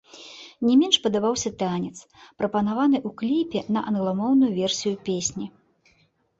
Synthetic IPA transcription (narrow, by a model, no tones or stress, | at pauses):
nʲɛmʲɛnʂpɐd̪abawsʲɐt̪anʲɛt̪spɾɐpɐnavan̪ɨʔuklʲipʲɛnɐʔɐnɣlˠamɔwnujuvʲɛrsʲijupʲesʲnʲi